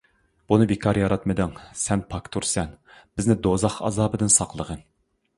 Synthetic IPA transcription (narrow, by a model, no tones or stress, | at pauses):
b̥unɨbekʰɑɾjɑɾɑt̪mɨd̪ɨŋsɛnpʰɑkt̪ʰuɾsɛnbɪznɪd̪ozɑχɑ̰zɑːbɨd̪ɪnsɑqlˠəʁən